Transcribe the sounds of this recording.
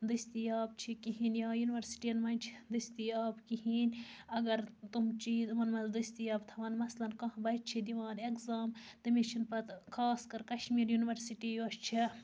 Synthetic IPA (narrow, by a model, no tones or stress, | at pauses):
d̪ɨst̪ijaːb̚t͡ʃʰikiɦiːnjaːjuniʋɐɾsi̥ʈiɐnmɐnʲt͡ʃʰid̪ɨsʲt̪ijaːbkiɦiːnʲɐɡɐɾt̪umt͡ʃiːd̪mɐnmɐzd̪ɨst̪ijaːbt̪ʰɐʋɐnmɐslɐnkɐ̃ɦbɐjt̪̚t͡ʃʰid̪iʋaːnekzaːmt̪ɐmit͡ʃʰinpɐt̪kʰaːskɐɾkɐʃmiːɾjuniʋɐɾsiʈijoʃt͡ʃʰi